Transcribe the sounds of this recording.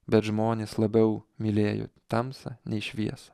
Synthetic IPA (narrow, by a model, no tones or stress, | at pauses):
bʲɛt̪ʒmoːnʲeːslˠɐbʲɛʊmʲɪlʲeːjo̰t̪ɐmsɐ̰nʲɛɪʃʲʋʲiɛsɐ̥